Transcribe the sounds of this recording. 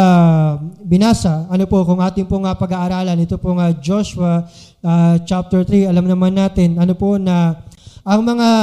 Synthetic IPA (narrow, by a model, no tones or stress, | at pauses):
bɪnaːsɐɐnopo̞kʊŋʔaːt̪ɪŋpoŋɐpɐɡaːʔːɾaːlɐnɪt̪opoŋɐd͡ʒoʃwɐ | ɐt͡ʃap̚t̪ɛɹt̪ɾiɐlamnɐmanːaːt̪ɪnʔɐnopo̞nɐʔɐŋmɐŋa